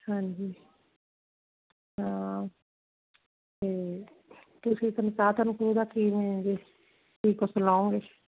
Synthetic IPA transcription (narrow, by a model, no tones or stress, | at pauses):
hãːɲd͡ʒiː | ɦãː | t̪eː | t̪ʊsiːt̪ənsaːt̪ənkɾud̪aːkiːmẽd͡ʒe | ʈʰiːkɔsəlãːũɡe